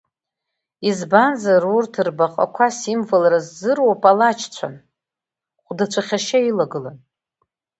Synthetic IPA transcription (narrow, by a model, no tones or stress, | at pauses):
izbanzarurtʰɨrbaqʼa̰kʷʰasimvalrazːɨrwapʼalat͡ʃʰt͡ɕʷʰa̰n | χʷdat͡ɕʷʰaχʲaʃailaɡɨlan